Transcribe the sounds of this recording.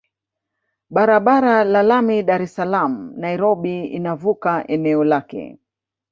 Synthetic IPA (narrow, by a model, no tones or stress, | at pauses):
ɓaɾaɓaɾalalamiɗaɾɛsalam̩naiɾɔɓiḭnavukaʔɛnɛɔlakɛ̰